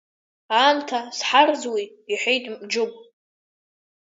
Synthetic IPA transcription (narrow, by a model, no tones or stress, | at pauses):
amtʰasħard͡zwi | iħʷejtʼmd͡ʒʊkʷʼ